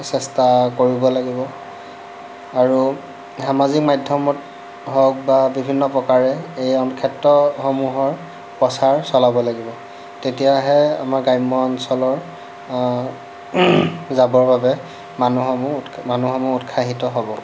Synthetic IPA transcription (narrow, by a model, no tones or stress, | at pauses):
sɛstakoɹibɔlaɡibɔ | aɹu | xamazik̚majdʱjɔmɔt | ɦɔk̚babibʱinːɔpɹɔkaɹɛejɔnkʰɛtːɔxomuɦɔɹ | pɔsaɹsɔlabɔlaɡibɔ | tetijaɦɛa̰maɹɡajmɔɔnsɔlɔɹ | zabɔɹbabɛ | manuɦɔmumanuxɔmuutkʰaɦitɔɦobɔ